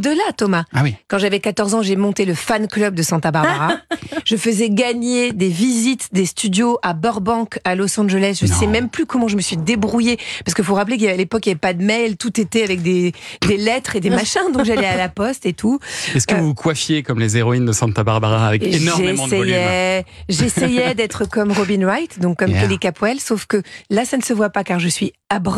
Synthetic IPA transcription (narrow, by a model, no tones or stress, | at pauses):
od̪əlat̪ɔmaawikɑ̃ʒavɛkat̪ɔʁzɑ̃ʒemɔ̃t̪eləfanklœb̚d̪əsɛ̃t̪abaʁbaʁaʒ̥əfəzɛɡaɲed̪evizit̪d̪est̪yd̪joʔabɔʁbɑ̃kalɔsɑ̃ʒəlɛs̬ʒəsɛmɛmplykɔmɑ̃ʒəməsɥid̪ebʁujepaʁskəfoʁaplek̬jaalepɔkjavɛpad̪əmɛjlt̪ut̪et̪ɛavɛk̚d̪ed̪elɛt̪χed̪emaʃɛ̃d̪ɔ̃kʒalɛalapɔst̪et̪ʰuɛskəvuukwafjekɔmlezeʁɔind̪əsɛ̃t̪abaʁbaʁaːvɛknɔʒẽɛjɛʒesjɛd̪ɛt̪χəkɔmʁɔbinʁajt̪d̪ɔ̃kːɔmkelikapwɛlsofkəlasanəsəvwapakaʁʒəsɥiabʁ